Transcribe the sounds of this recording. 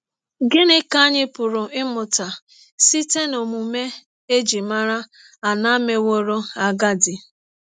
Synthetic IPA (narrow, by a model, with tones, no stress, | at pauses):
ɡɪ˦nɪ˦ka˦ɲɪ˦pʊ˨ɾʊ˨ʔɪ˦mʊ˨ta˨ | si˦te˦no˨mu˨me˦ | e˦d͡ʒi˨ma˦ɾa˦ | a˨na˦me˨wo˦ɾo˦a˦˨ɡa˦dɪ˨